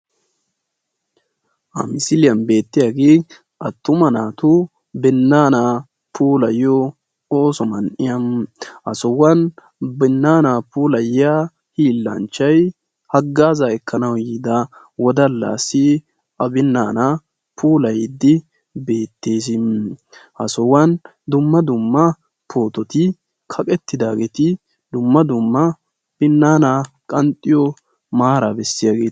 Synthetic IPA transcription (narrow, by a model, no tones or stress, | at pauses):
ʔɐ̰mɪsɪlɪjɐnbe̞ːt̪ːɪjaɡeː | ɐt̪ːʊmɐnaːt̪ʊ | bɛnːaːna | pʰuːlɐjɔ | oːsɔmɐnʔɪjɐnʔɐ̰sɔwːɐn | bɛnːaːnapuːlɐjja | hiːlːɐ̰nt͡ʃːɐj | hɐɡːaːzaɛkʰːɐnɐwjiːd̪ɐ | wɔd̪ɐlːa̰ːsɪ | ɐbɪnːaːnɐ | pʰuːlɐjd̪ːɪ | be̞ːt̪ːe̞ːs̬ɪ | hɐ̰sɔwɐn | d̪ʊmːɐd̪ʊmːɐ | pʰo̞ːt̪ɔt̪ɪ | kʰɐkʼɛt̪ːɪd̪aːɡeːt̪ɪ | d̪ʊmːɐd̪ʊmːɐ | b̥ɪnːaːna | kʼɐnt̪ʼːɪjɔ | maːɾabɛsːɪjaɡeː